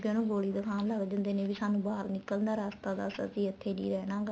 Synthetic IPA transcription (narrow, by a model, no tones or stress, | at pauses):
kẽnũːɡoːliːd̪əkʰaːnləɡd͡ʒənd̪eːnẽːʋiːsaːnũbaːlnɪkːəlnd̪aːɾaːst̪aːd̪a̰ːsə̰t̪iːɪt̪ʰːeːnḭːɾɛːnãːɡ